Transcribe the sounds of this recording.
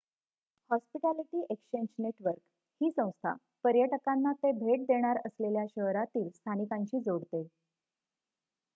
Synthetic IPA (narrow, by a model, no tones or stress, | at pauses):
hɔspiʈaliʈiːʔekɕeɲd͡ʑneʈʋəɾk | hiːsə̃w̃st̪ʰa̰ | pəɾjəʈəkanːat̪ebʱeʈ̚d̪eɽ̃aɾəsleljaɕəɦɾat̪iːlst̪ʰanikaɲt͡ɕiːd͡zoɽt̪e